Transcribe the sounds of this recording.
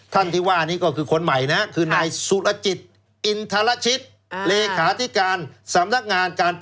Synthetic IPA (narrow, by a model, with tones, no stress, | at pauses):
t̪ʰa˥˩nt̪ʰiː˥˩waː˥˩˧niː˦˥˩kɔː˥˩kʰɯː˧kʰo˧nma˨˩jna˦˥kʰɯː˧naː˧jsu˨˦lʔa˧t͡ɕi˨˩t̪̚ | ʔi˧nt̪ʰa˧la˦˥t͡ɕʰi˦˥t̪̚ | leː˧kʰaː˩˦t̪ʰi˦˥kaː˧nsa˩˦mna˦˥k̚ŋaː˧nkaː˧np